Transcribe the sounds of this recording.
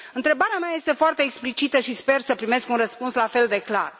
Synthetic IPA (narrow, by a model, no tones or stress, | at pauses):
ɨnt̪ɾebaɾeamaje̞st̪e̞foart̪e̞ːksplit͡ʃit̪əʃispe̞rsəpɾime̞skunrəspunslafe̞ld̪e̞kla̰r